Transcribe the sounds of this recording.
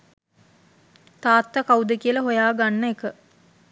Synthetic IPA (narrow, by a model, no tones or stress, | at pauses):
t̪aːt̪ːəkaud̪əkijələɦojaːɡanːəekə